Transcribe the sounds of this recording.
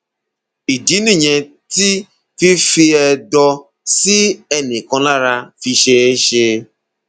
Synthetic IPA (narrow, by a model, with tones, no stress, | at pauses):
i˨di˨˦ni˦˨ɲe˨ | ti˦ | fi˦fi˦ɛ˦dɔ˦ | si˦ɛ˦nɪ˨kɔ̃˦la˦ɾa˦fi˧ʃe˦e˦ʃe˦